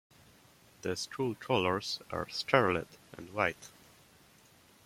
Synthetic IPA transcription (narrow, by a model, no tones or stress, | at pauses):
ðəstʰɹultʰɹoləɹz̥a̰ɹskʰaɹlə̰tə̰̃ndwaɪt